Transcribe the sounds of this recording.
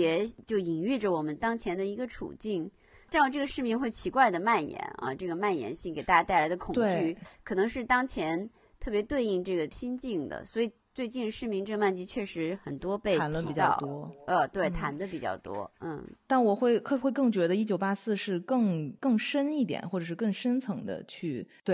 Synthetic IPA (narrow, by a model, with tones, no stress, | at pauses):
jɛ˨˩t͡ɕjo˥˩ʊi˨˩ŋy˥˩ʈ͡ʂə˩wɔ˨˩mə˦nt̪ɑ˥ŋt͡ɕʰjɛ˧˥nd̪ə˧i˧˥ɡə˧ʈ͡ʂʰṵ˨˩t͡ɕi˥˩ŋ | ʈ͡ʂn˥˧ʈ͡ʂɤ˥˩ɡə˩ʂɻ̩˥˩mi˧˥ŋxwe˥˩ɪt͡ɕʰi˧˥kwa˥˩ɪd̪ə˩ma˥˩njɛ̰˧˥nɐ̰˧ʈ͡ʂɤ˥˩ɡə˩ma˥˩njɛ̰˧˥nɕi˥˩ŋke˨˩a˥˩ja˥t̪a˥˩ɪla˧˥ɪd̪ə˧kʰʊ˨˩t̪wŋe˥t͡ɕy˥˩kʰɤ˨˩nɤ˧˥ŋʂɻ̩˥˩t̪ɑ˥ŋt͡ɕʰjɛ˧˥n | t̪ʰɤ˥˩p̬jɛ˧˥t̪we˥˧ɪi˥˧ŋʈ͡ʂɤ˥˩ɡə˩ɕi˥nt͡ɕi˥˩ŋd̪ə̰˩swɔ˧˥i˨˩ | t͡swe˥˧ɪt͡ɕi˥˧nɻʂɻ̩˥˩mi˧˥ŋʈ͡ʂɤ˥˩ɡma˥˧nt͡ɕi˥˧t͡ɕʰɥɛ˥˩ʂɻ̩˧˥xə˨˩nt̪wɔ˥pe˥˩ɪa˧˥nlwə˥˧i˧pi˨˩t͡ɕt̪ʊt̪wɔ˥ə˧t̪we˥˩ɪt̪ʰa̰˧˥nd̪ə˧pi˨˩t͡ɕjɑ̰˥˩ʊt̪wɔ̰˥n̩˥˩t̪a˥˩nwɔ˨˩xwe˥˩ɪxxwe˥˧ɪkɤ˥˩ŋt͡ɕɥɛ˧˥d̪ə˧i˥t͡ɕjo˨˩ʊpa˥sɹ̩˥˧ʂɻ̩˥˧kɤ˥˩ŋkɤ˥˩ŋʂə˥ni˥˩t̪jɛ̰˨˩nxwɔ˥˩ʈ͡ʂɤ˨˩ʂɻ̩˥˧kɤ˥˩ŋʂə˥nt͡sʰɤ˧˥ŋd̪ə̰˧t͡ɕʰy˥˩t̪we˥˩